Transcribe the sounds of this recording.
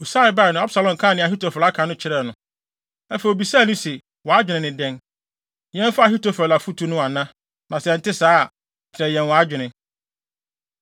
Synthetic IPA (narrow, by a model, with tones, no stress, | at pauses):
u˨sa˦ɪ˨ba˦˨nʊ̃˨˦a˦bsa˨lɔ̃˨m˨kʰã˦˨nɪ̃˨a˨ɦi˦to˨fa˦kʰã˨nʊ̃˦t͡ɕʰɪ˨ɾɛ˨nʊ̃˨˦ | ɛ˦fɛ˨o˨bi˨sa˦˨nʊ̃˦sɛ˨ | wɔ˨a˦d͡ʑᶣɪ˨nɪ̃˨nɪ̃˨dɛ̃˦n | jɛ̃˦n˦fa˦˨ɦi˦to˨fɾɛ˨la˨fu˦tʰu˨˦nʊ̃˦a˨nã˦ | nã˨sɛ˨n̩˦tɪ˦saː˦˨ | tʰɪ˨ɾɛ˨jɛ̃˨nwɔ˨a˦d͡ʑᶣɪ˨nɪ̃˨